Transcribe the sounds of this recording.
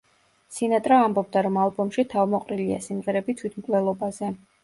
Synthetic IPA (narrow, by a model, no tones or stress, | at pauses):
sinat̪ʼɾaːmbɔbd̪aɾɔmalˠbɔmʃit̪ʰavmɔqʼɾilia̰simʁɛɾɛbit̪sʰwit̪ʰmkʼlɛlˠɔbazɛ